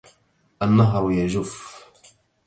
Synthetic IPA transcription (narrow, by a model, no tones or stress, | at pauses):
ʔanːaɦɾˤjad͡ʒʊf